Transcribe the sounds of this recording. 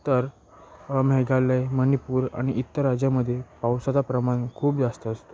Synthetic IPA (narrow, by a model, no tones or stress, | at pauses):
t̪əɾ | mɛɡalejmənipuːɾa̰ɽ̃iʔit̪ːəɾad͡ʑjaməd̪ʱːjepawsat͡sapɾəmankʰuːpd͡zast̪əːst̪o